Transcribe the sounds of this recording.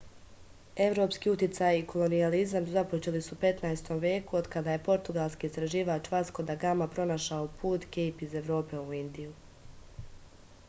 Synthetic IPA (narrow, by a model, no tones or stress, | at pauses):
e̞ʋɾo̞ːpskiːut̪jit̪sajiko̞lˠo̞nializamzapo̞t͡ʃe̞lisupe̞t̪najest̪o̞mʋje̞ːkuod̪kad̪aje̞po̞ɾt̪uɡalˠskiːst̪ɾaʒiːʋaːt͡ʃʋasko̞d̪aɡamapɾo̞naʃaopʰuːt̪ɡejpize̞ʋɾo̞ːpe̞uind̪iju